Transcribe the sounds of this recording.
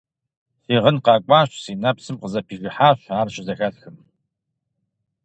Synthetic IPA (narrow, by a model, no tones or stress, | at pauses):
siːʁənqɑːkʷʼaːɕsiːnɐpsɨmqəzɐpʰiːʒɨħaːɕʷaːrɕʼɪzɐxɐɬxɨm